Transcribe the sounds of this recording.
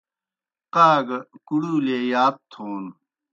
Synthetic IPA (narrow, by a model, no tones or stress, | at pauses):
qaːɡkuɽuːleːjaːt̪̚t̪ʰoːn